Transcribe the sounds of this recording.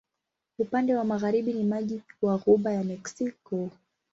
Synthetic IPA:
upandɛwamaɣaɾiɓinimaʄiwaɣuɓajamɛksikɔ

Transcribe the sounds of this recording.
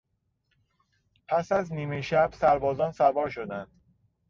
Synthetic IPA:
pʰæsæzniːmeʃæb̥sæɾbɒːzɒːnsæɾvɒːɾʃod̪ænd̪̥

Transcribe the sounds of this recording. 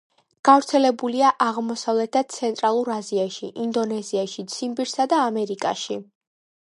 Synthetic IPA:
ɡ̥avɾt̪sʰɛlɛbuliaʔaʁmɔsavlɛt̪ʰḁt̪sʰɛnt̪ʼɾalˠuɾaziaʃiʔind̪ɔnɛziaʃit̪sʰimbiɾsad̪aːmɛɾikʼa̰ʃi

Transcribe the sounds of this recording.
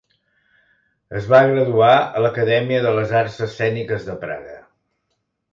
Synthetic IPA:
əzβaɣɾəðuaə̰ləkəðɛmiəðələzarsəsːɛnikəzðəpɾa̰ɣə

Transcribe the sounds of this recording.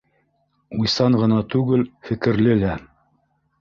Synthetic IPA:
ujsɑɴɢɤ̆nɑt̪ʉɡɘlfɘ̆kɘ̆ɾlɘlæ

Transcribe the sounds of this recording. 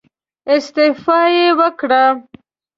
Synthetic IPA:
ɪst̪ɪfɑjewəkɽa

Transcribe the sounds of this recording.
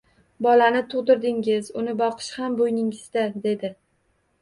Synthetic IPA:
bɒlanɪt̪ʰʊʁd̪ɪɾd̪ɪŋɪzʊnɪbɒqʰɨ̥ʃhambojnɪŋɪzd̪ad̪e̞d̪ɪ

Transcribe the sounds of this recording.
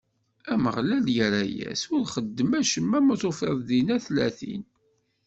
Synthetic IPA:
æməʁlæljəɾæjæ̰sʊɾχəd̪ːəmæʃəmːæmətˤofɑððinæθlæθḭn

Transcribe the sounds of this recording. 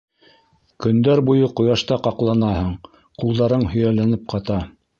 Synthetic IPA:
kɵ̆nd̪æɾbujɤqŏjɑʃt̪ɑqɑqlˠɑnɑhɤɴ | qulˠd̪ɑɾɤɴhɵ̆jælænɘp̚qʰɑt̪ɑ

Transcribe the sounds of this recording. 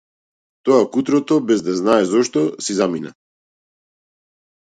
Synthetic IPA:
t̪ɔakut̪ɾɔt̪ɔbɛzd̪aznaɛzɔʃt̪ɔsizamina̰

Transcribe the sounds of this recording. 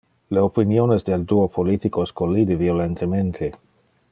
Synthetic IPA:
leopinjonezd̪eld̪uopʰolit̪ikoeskolːid̪eviolent̪ement̪ʰe

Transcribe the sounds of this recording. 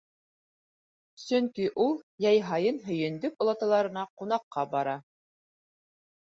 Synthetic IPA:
sɵŋkiʔulˠjæjɦɑjɤnɦɵ̆jɘ̆nd̪ɵpŏlˠɑt̪ɑlˠɑɾɤ̆nɑqunɑqːɑbɑɾɑ

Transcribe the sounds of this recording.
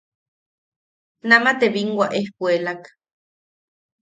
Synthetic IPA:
namat̪eβiŋɡwaʔehpuelak

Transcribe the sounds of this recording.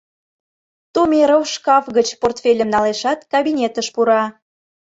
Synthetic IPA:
t̪umʲeɾowʃkɑfɣət͡ɕport̪fʲelʲəmnɑleʃɑt̪kɑbinʲet̪əʃpuɾɑ

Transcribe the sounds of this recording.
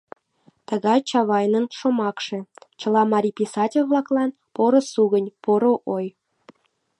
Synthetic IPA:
t̪əɣɑjt͡ɕɑβɑjnənʃomɑkʃĕt͡ɕə̆lˠɑmɑɾʲipʲisɑtʲelʲβlˠɑklˠɑn | poɾŏsuɣənʲpoɾoʔoj

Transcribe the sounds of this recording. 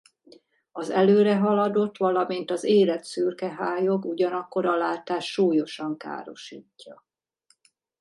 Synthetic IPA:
ɒzɛløːɾɛɦɒlɒd̪o̞t̪ʋɒlɒmint̪ɒzeːlɛt̪syrkɛɦaːjoɡuɟɒnɒkːo̞ɾɒlaːt̪aːʃːuːjo̞ʃɒŋka̰ːɾo̞̰ʃiːcːɒ

